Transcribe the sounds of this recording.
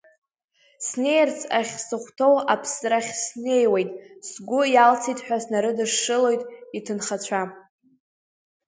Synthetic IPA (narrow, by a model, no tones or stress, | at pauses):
sne̞jrt͡sʰaχʲsɨχʷtʰo̞wapʰsraχʲsne̞jwe̞jtʼsɡʷʊjalt͡sʰijtʼħʷᶣasnaɾɨdɨʂːɨlo̞jtʼitʰɨnχat͡ɕʷʰa